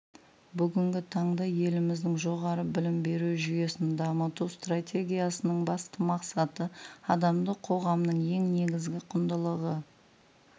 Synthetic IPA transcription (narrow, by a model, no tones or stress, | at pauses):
bʏɡʲɪŋɡʲɪt̪ʰɑɴd̪ɑje̞lɪmɪzd̪ɪŋʒo̞ʁɑɾəbɪlɪmbe̞ɾuʒʏje̞sɪnd̪ɑmət̪ust̪ratʲe̞ɡʲijasənəɴbɑst̪əmɑqsɑt̪əɑd̪ɑmd̪əqʰo̞ʁɑmnəɴje̞ŋne̞ɡʲɪzɡʲɪqʰʊnd̪əlˠəʁə